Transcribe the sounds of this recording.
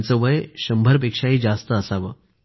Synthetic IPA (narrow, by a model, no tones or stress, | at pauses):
nt͡səʋəjɕəmbʱəɾpekʂaɦiːd͡zast̪əːsaʋəː